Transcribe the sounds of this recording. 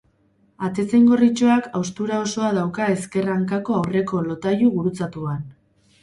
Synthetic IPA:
at̪e̞t͡seŋɡo̞rit͡ʃoakawst̪uɾao̞so̞aðawkae̞ske̞raŋkako̞awre̞ko̞lo̞t̪ajuɣuɾut͡sat̪uan

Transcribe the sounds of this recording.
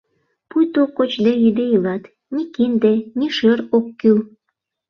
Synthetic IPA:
pujt̪okːot͡ɕd̪eyd̪ejilɑt̪ | nikind̪eniʃøɾokːyl

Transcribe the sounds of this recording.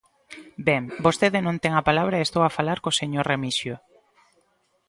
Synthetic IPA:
bɛŋbost̪eðɪnõnt̪ɛŋapalaβɾɐest̪owafalaɾkoseɲoɾremisjo

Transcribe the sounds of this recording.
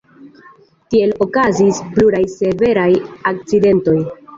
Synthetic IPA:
tie̞lo̞kazisbluɾajse̞ve̞ɾajak̚t͡side̞nto̞j

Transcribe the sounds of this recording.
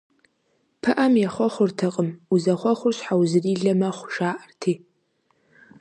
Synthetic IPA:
pʰɨʔɐmjɛχʷɔχʷʊrtʰɐqʼəmuzɐχʷɔχʷʊrɕħawzɨriːɮɐmɐχʷʊʃaːʔɐrtʰiː

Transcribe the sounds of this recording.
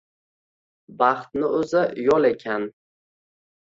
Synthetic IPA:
bɑχt̪nɪɵzɪjɒlˠe̞kʲʰan

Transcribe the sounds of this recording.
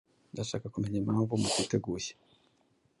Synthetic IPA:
ndaʃaːkakume̞ɲamhaːɱvumukwiːte̞ɡuːçe̥

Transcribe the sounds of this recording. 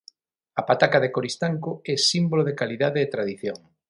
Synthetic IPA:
ɐpat̪akaðekoɾist̪aŋkʊɛsimboloðekaliðaðeːt̪ɾaðiθjoŋ

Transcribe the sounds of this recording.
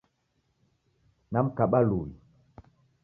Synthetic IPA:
nam̩kaɓaluwḭ

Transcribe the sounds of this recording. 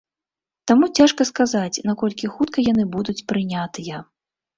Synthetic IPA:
t̪amut͡sʲaʂkɐskazat͡sʲnakɔlʲkʲixut̪kɐjan̪ɨbud̪ut͡sʲpɾɨnʲat̪ɨjɐ

